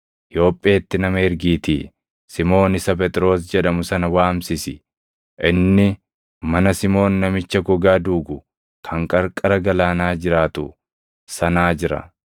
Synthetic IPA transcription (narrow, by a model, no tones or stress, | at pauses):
ʔɪjo̞ːpʼːeːt̪ːɪnɐmɐhɛɾɡiːt̪ḭː | sɪmo̞ːnɪsɐp̬ɛt̪ʼɾo̞ːs̬d͡ʒɛᶑɐmʊsɐnɐwaːmsɪsɪ | ʔɪnːɪ | mɐnɐsɪmo̞ːnːɐmɪt͡ʃːɐɡɔɡaːd̪uːɡʊ | kʰɐŋkʼɐɾkʼɐɾɐɡɐlaːnaːd͡ʒɪɾaːt̪ʊ | sɐnaːd͡ʒɪɾɐ̰